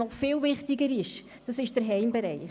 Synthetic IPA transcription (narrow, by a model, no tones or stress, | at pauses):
ɔχfɪːlvɪχtɪɡəɾɪʃ | d̥ɑsɪʃd̥əɾɦɛɪmbɛɾɛɪ